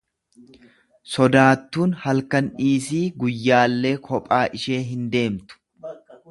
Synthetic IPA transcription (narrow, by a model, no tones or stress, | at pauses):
sɔd̪aːt̪ːuːnhɐlkɐnᶑiːs̬iːɡʊjːaːlːeːkʰɔpʼaːʔɪʃe̞ːɦɪnd̪e̞ːmt̪ʊ̥